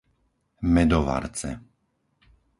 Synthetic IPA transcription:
mɛd̪ɔʋa̰ɾt͡sɛ̰

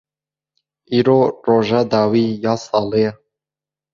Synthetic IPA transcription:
iɾoɾoʒad̪awijɑsɑlˠe

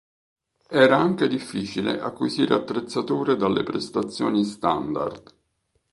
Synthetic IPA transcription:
ɛːɾaaŋk̟ed̪ifːiːt͡ʃilḛʔa̰kːwiziːɾeat̪ːɾet̪sːat̪uːɾed̪alːḛpɾest̪at̪sːjoːnist̪and̪a̰rd̪

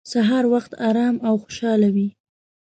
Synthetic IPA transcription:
saɦɑɾwaxt̪ɑɾɑmawxo̥ʃɑlawi

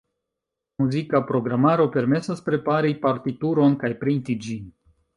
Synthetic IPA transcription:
muzikapɾo̞ɡɾamaɾo̞pe̞ɾme̞saspɾe̞paɾipaɾtituɾo̞nkajpɾintid͡ʒin

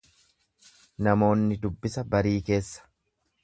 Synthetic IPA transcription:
nɐmo̞ːnːɪd̪ʊbːɪsɐbɐɾiːke̞ːsːɐ̥

